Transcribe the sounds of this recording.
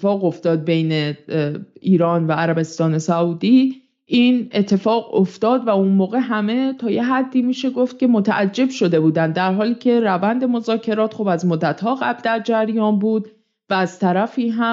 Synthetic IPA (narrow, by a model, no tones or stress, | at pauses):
fɒːɣo̞ft̪ɒːd̪̚bejne | ʔiːɾɒːnvæːɾæbe̞st̪ɒːne̞sæuːd̪i | ʔiːne̞t̪ʰːe̞fɒːɣoft̪ɒːd̪væunmɒːɣe̞ɦæme̞t̪ʰɒːje̞ɦæd̪ːiːmiːʃe̞ɡo̞ft̪̚cʲe̞mo̞t̪ʰæʔæd͡ʒːe̞bʃo̞d̪e̞buːd̪ænd̪ːæɾɦɒːliːcʰe̞ɾævænd̪e̞mo̞zɒːcʰe̞ɾɒːt̪xobæzmod̪ːæt̪hɒːɣæbld̪æɾd͡ʒæɾjɒːnbuːd̪ | væːz̥t̪ʰæɾæfiːɦæ